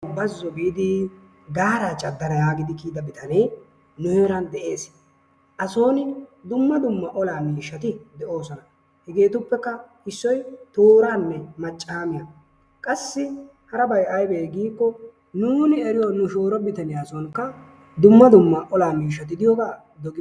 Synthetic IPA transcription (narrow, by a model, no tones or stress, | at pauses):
bɐzːɔɡid̪ɪ | ɡaːɾaːt͡ʃʼɐd̪ːɐɾɐjaːɡɪd̪ɪkiːd̪ɐbɪt̪ɐnej | nʊjɛːɾɐnd̪ɛʔe̞ːs | ʔɐso̞ːnɪd̪ʊmːɐd̪ʊmːɐʔɔlaːmiːʃːɐt̪ɪd̪ɛʔo̞ːsɔnɐ | hɛɡe̞ːt̪ʊpːɛkːɐ | ɪsːɔjt̪oːɾaːnːɛmɐt͡ʃʼːaːmɪja | kʼɐsːɪ | hɐɾɐbɐjʔɐjbeːɡiːkːɔ | nuːnɪɛɾɪjonʊʃoːɾɔbɪt̪ɐnɪjaːsɔŋkːɐ | d̪ʊmːɐd̪ʊmːɐʔɔlaːmiːʃːɐt̪̬ɪd̪ɪjɔɡaː | d̪ɔɡɪ